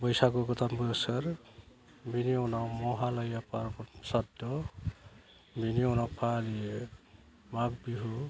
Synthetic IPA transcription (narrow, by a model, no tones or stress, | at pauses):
bɔjsakuɡɔt̪ʰambujsəɾ | biniɔwnawmɔɦalʌjapaɾbɔsad̪ɔ | biniɔwnawpʰalie | mak̚biɦu